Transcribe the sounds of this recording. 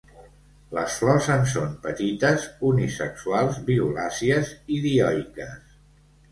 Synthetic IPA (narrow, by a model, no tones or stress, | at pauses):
lə̰sflɔzənsompət̪it̪əzunisəksualˠzβiulasiəziðiɔjkəs